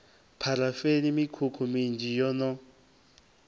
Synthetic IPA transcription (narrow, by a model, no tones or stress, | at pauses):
pʰaɾafelimikʰukʰumind͡ʒijɔnɔ